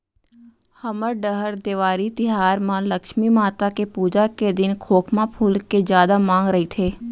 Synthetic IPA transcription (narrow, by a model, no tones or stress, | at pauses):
həməɾɖəɦəɾd̪eːʋaːɾit̪ɪɦaːɾmãləkʃmimaːt̪akepuːd͡ʒaked̪ɪnkʰoːkʰmãpʰʊːlked͡ʒjaːd̪amãːŋɡɾəɦit̪ʰeː